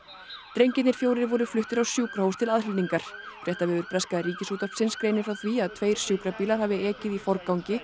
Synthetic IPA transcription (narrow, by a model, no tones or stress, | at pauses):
t̪ɾejɲcɪt̪nɪɾ̥fjoːwɾɪɾvɔɾʏflʏht̪ɪɾawsjuːkɾahowst̪ʰɪlaðrɪlniŋkaɾ̥fɾjɛht̪avɪðʏɾpɾɛskaðɾiːcɪsuːt̪apsɪnskɾeːjnɪfɾawθviaðt̪ʰveːjɾ̥sʏːkɾapiːlaɾ̥havɪɛːcɪðifɔɾkawɲcɪ